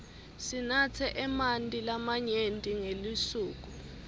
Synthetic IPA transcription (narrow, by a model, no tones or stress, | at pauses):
sinat͡sʰɛʔɛmantʼilamaɲentʼiŋelisuːk̬u